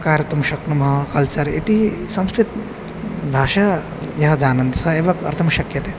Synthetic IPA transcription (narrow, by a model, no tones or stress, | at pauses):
kaːɾɐt̪ɐmɐʃɐknɐmɐɦɐkɐlt͡ʃɐɾḛt̪isɐ̃m̃skɾit̪ | bʱaːʃɐ | jɐɦɐd͡ʒaːnɐnt̪isɐeʋɐkɐ̰ɾt̪ʰɐmɐʃɐkjɐt̪e